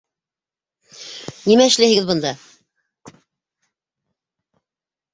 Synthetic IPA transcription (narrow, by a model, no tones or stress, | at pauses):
nimæɘ̆ʃlæjɦɘ̆ɡɘðbɤ̆nd̪ɑ